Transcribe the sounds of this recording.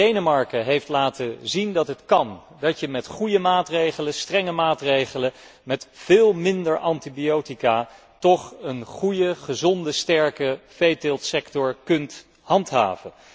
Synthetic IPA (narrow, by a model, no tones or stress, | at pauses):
dejnəmɑɹkəɦejftlaːtəzindɑtɦətkɑn | dɑtjəmɛtχujəmaːtrejχələstrɛŋəmaːtrejχələmɛtv̥ɪːlˠmɪndəɹʔɑntibiowtika | tɔχənχujəχəzɔndəstɛɹkəfejtɪlˠtsɛktɔɹkɵnt | hɑntɦa̰ːvən